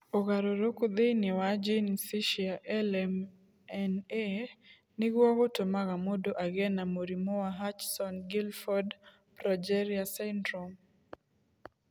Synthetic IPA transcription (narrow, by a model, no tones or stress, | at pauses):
oɣaɾoɾokod̪enɪwad͡ʒinsiʃiaʔɛlɛm | ɛne | nɪɡwɔɣotomaɣamodoʔaɡɛnamoɾimowaɦat͡ʃsɔnɡilfɔd | pɾad͡ʒɛɾiasɛndɾom